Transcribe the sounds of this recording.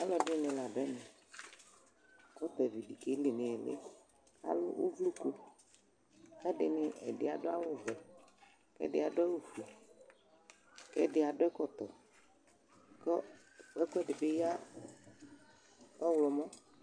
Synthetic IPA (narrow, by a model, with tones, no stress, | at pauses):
a˦lɔ˨dnɪ̃˨la˨dɛ˦nẽ˨ | kɔ˦t̪ɛ˨vi˨di˨ke˦le˨nɪ̃˨lḛ˦ | a̰˨lʊ̰˦wʔo˦vlu˦ku˦ | kɛ˦ɖɪ˨nɪ˨ɛ̰˨dɪ̰˨a˨dʊ˦a˦wʊ˦˨vɛ˨ | kɛ̰˦dɪ˦a˨ɖʊ˦a˦lu˨fi˨ | kɛ˦˨ɖɪ˨a˨ɖʊ˦ɛ˦kɔ˦t̪ɔ˨ | kɔ˦ | ɛ˦kɛ˦ɖɪ˨be˦ja˦ | ɔ˦wlɔ˨mɔ̃˦